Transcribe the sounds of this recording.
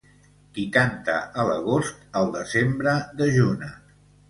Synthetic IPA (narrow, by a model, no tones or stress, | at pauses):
d̪it̪ant̪ə̰ʔələ̰ɣ̞ost̪əlˠd̪əzembɾəðəʒunə